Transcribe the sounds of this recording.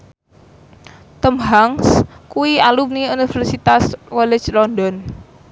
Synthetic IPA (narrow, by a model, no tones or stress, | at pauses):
t̪əmɦaŋskuwialup̚niunifɛrsit̪askɔlɛ̥t͡ʃlɔndɔn